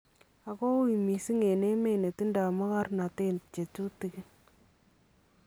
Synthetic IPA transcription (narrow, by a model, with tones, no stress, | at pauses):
a˨kɔ˦wi˨mi˨si˦ŋe˨ne˦me˦ne˨ti˦nda˨ma˦ka˦rna˨te˦nt͡ʃe˨tu˦ti˦ke˦